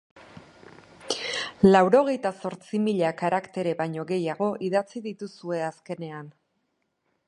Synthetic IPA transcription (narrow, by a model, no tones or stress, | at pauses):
lawɾo̞ɣ̞e̞jt̪aso̞ɾt͡simiʎakaɾakt̪e̞ɾe̞βajɲo̞ɣe̞jaɣ̞o̞ʔiðat͡siðit̪usue̞aske̞ne̞an